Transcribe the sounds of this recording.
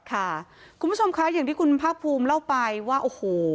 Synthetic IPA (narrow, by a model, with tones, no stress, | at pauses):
kʰa˥˩kʰu˧mbʰt͡ɕo˧mkʰa˦˥jaː˨˩ŋt̪ʰiː˥˩kʰu˧npʰaː˥˩k̚pʰuː˧mla˥˩wpa˧jwaː˥˩ʔoː˧hoː˨˩